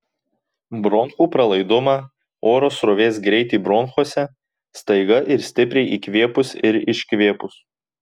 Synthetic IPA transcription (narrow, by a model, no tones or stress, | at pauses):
bɾɔŋxuːpɾɐlˠɐɪd̪ʊmɑː | oːɾoːsɾoʋʲeːsɡɾʲɛɪt̪ʲiːbɾɔnxoɔsʲɛ | st̪ɐɪɡɐʔɪɾsʲt̪ʲɪpʲɾʲɛɪʔiːkʋʲeːpʊsɪɾɪʃʲkʋʲeːpʊs